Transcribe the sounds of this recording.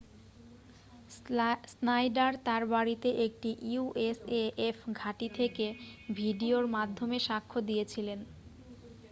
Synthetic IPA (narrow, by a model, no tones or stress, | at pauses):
snajɖaɾt̪aɾbaɾit̪eʔek̚ʈiʔiuʔeseefɡʱaʈit̪ʰekebʱiɖioɾmad̪ʱːomeʃakʰːod̪ijet͡ɕʰilen